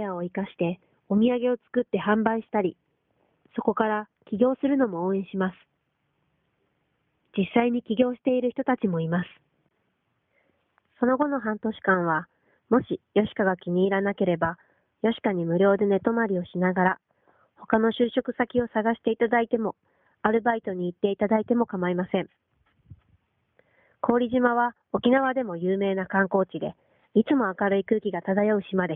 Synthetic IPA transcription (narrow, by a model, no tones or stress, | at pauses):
eao̞ikaɕi̥t̪e̞ | o̞mʲiaɡe̞o̞t͡sɨ̥kɯ̟t̪ːe̞hãmbaiɕi̥t̪aɾʲi | so̞ko̞kaɾakʲiɡʲo̞ːsɨɾɯ̟no̞mo̞oːẽ̞ɰ̃ɕimasɨ̥ | d͡ʑisːaiɲ̟ikʲiɡʲo̞ːɕi̥t̪e̞iɾɯ̟çi̥t̪o̞t̪at͡ɕimo̞imasɨ̥ | so̞no̞ɡo̞no̞ɦãnt̪o̞ɕi̥kãɰ̃β̞a | mo̞ɕijo̞ɕi̥kaɡakʲiɲ̟iːɾanake̞ɾe̞ba | jo̞ɕi̥kaɲ̟imɯ̟ɾʲo̞ːd̪e̞ne̞t̪o̞maɾʲio̞ɕinaɡaɾa | ho̞kano̞ɕɨːɕo̞kɯ̟̥sakʲio̞saɡaɕi̥t̪e̞it̪ad̪ait̪e̞mo̞ | aɾɯ̟bait̪o̞ɲ̟iːt̪ːe̞it̪ad̪ait̪e̞mo̞kamaimasẽ̞ɴ | kʰo̞ːɾʲiʑimaβ̞a | o̞kʲinaβ̞ad̪e̞mo̞jɯːme̞ːnakãŋko̞ːt͡ɕid̪e̞̰ | it͡sɨmo̞akaɾɯ̟ikɯ̟ːkʲiɡat̪ad̪ajaɯ̟ɕimad̪e